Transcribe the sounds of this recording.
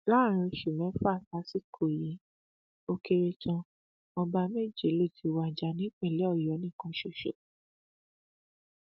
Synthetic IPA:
laː˦˨ɾ̃ĩ˧ʃu˨mɛ̃˨˦fa˦˨ta˧˦si˦kʰo˦˨ji˨˦ | o˧ke˧ɾe˧t͡ʃã˧ | mɔ̃˧ba˧me˦˨d͡ʒi˨˦lo˦˨tʰi˨˧wa˧˨d͡ʒa˧˦nĩ˦k͡pɛ̃˦˨lɛ˨˦ɔ˦˨jɔ˨˦nĩ˦˨kũ˨˦ʃo˨ʃo˨

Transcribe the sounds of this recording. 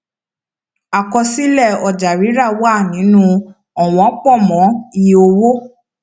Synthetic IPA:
a˨kɔ˧si˦lɛ˦˨ɔ˨d͡ʒa˨ɾi˨˦ɾa˦˨wa˦˨nĩ˨˦nũ˧ | ɔ˨w̃ɔ̃˨˦k͡pɔ˦˨mɔ̃˨˦i˧o˧wo˦

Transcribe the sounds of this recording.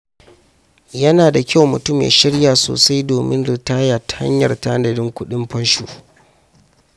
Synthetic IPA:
jɐ˦naː˨da˨kʲa˦wmʊ˨tʊ˦˨mjḛː˨ʃɪ˦ɽjaː˨so̰ː˨sa˦jdoː˨mɪ˦nɽɪ˨taː˦jaː˨tḁ˨ha̰˦ɲjɐ̰˨rta˦ʔa˦dɐ˨dɪ˦ŋkʷʊ˦ɗɪ˦mɸɐ˦nʃṵː˨

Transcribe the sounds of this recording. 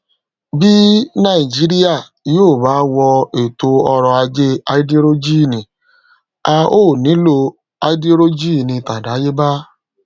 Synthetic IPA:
bi˦nã˦˨i˨d͡ʒi˨˦ɾi˦a˦˨ | joː˦˨ba˨˦wɔ˧e˨to˧ɔ˧ɾɔ˧a˧d͡ʒe˦a˧i˦di˦ɾo˦d͡ʒi˦˨nĩ˨ | a˧oː˦˨nĩ˨˦lo˧ | a˧i˦di˦ɾo˦d͡ʒi˦˨nĩ˧ta˨da˨˦je˦ba˦

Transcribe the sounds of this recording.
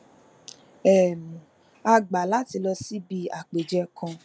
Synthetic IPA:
ɛ˦˨mũ˨ | a˧ɡ͡ba˨la˨˦ti˧lɔ˧si˦bi˧a˨k͡pe˨d͡ʒɛ˧kʰɔ̃˧

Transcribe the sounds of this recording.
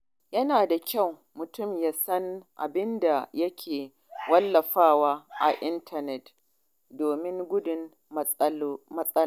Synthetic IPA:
jɐ˦naː˨da˨kʲa˦˨w | mʊ˨tʊ˦˨mjaː˦sɐ˦nʔa̰˨bɪ˦nda˨jɐ˦kʲʰeː˨ | wɐ˦lːɐ˨ɸaː˦˨waː˦ʔa̰˨ʔɪ˦ntʰɐ˨nɛ˨t | doː˨mɪ˦ŋɡʷʊ˦dʊ˨n | mɐ˦sʼɐ˦

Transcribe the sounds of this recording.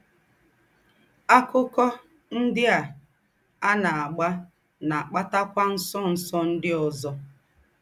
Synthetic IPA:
a˦kʊ˦kɔ˦ | n̩˦dɪ˦a˨ | a˦na˨a˨ɡ͡ba˦ | na˨k͡pa˦ta˦kʷa˦n̩˦sɔ˦n̩˨sɔ˦n̩˦dɪ˦ɔ˨zɔ˦

